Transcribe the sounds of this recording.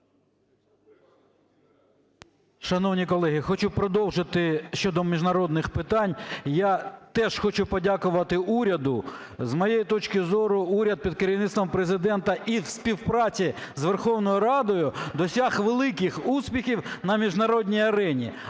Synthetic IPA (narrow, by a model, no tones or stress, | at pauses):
ʃɐnɔwnʲikɔlˠɛɦɪxɔt͡ʃupɾɔd̪ɔwʒɪt̪ɪʃt͡ʃɔd̪ɔmʲiʒnɐɾɔd̪nɪxpɪt̪ɑnʲjat̪ɛʃxɔt͡ʃʊpɔdʲakʊʋɐt̪ɪuɾʲɐd̪ʊ | zmɔjejit̪ɔt͡ʃkɪzɔɾʊuɾʲɐd̪̚pʲid̪̚kɐɾʲiʋnɪt̪st̪ʋɔmpɾezɪd̪ɛnt̪ɐʔiwspʲiwpɾɑt͡sʲizʋerxɔwnɔjʊɾɑd̪ɔjʊd̪ɔsʲaxʋelˠɪkɪxuspʲixʲiwnɐmʲiʒnɐɾɔdʲnʲijɐɾɛnʲḭ